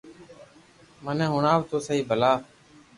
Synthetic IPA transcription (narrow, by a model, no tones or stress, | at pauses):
mənɛ̃ːɦʊɳaːʋt̪oːsəiːbʱəlaː